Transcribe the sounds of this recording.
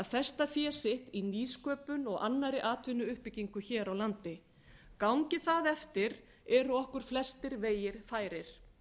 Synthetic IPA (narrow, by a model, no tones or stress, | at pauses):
aðθɛst̪afjɛːsɪht̪iniːskœːpʏnɔɣa̰nːaɾɪʔaːt̪ʰvɪnʏʏhpɪciŋkʏçɛːɾawlant̪ɪ | kawŋcɪθaðɛft̪ɪɾ | ɛɾɔhkʏɾ̥flɛst̪ɪɾveːjɪɾ̥faːjɾɪɾ̥